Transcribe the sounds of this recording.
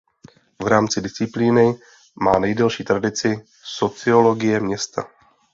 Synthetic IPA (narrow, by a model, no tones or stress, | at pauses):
vɾaːmt͡sɪdɪst͡sɪpliːnɪ | maːnɛjdɛlʃiːt̪ɾadɪt͡sɪ | so̞t͡sɪo̞lo̞ɡɪjɛmɲɛst̪a̰